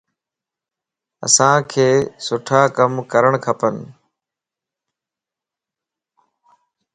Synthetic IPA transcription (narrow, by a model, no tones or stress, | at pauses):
ə̰sãːkʰeːsʊʈʰaːkəmkəɾəɽ̃kʰəpən